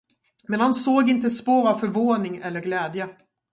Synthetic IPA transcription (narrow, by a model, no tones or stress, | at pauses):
mɛnhansoːɡɪnt̪əspoːɾavfœɾvoːnɪŋɛlːəɾɡlɛːd̪jə